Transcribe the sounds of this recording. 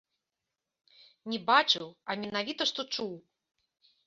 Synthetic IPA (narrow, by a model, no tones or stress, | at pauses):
nʲɛbat͡ʂɨwɐmʲɛnavʲit̪ɐʂt̪ɔt͡ʂuw